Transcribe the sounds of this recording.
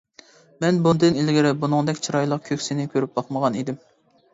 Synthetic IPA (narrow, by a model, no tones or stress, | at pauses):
mɛnbund̪ɨnilɡʲiɾɪbunɨŋd̪ɛkʲt͡ʃʰiɾɑjlˠəq̚kʲʰøkʲsɪnɪkʲʰøɾyp̚bɑχməʁɑnid̪ɪm